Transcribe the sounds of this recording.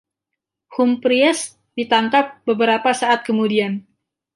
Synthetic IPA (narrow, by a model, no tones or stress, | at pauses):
humpɾiɛs | dit̪aŋkap̚bəbəɾapasaʔat̪̚kəmudian